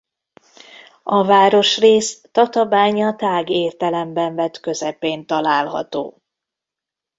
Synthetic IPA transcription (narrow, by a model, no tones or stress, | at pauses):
ɒvaːɾo̞ʃreːst̪ɒt̪ɒbaːɲɒt̪aːɡeːrt̪ɛlɛmbɛɱvɛt̪kø̞zɛpeːnt̪ɒlaːlɦɒ̰t̪o̰ː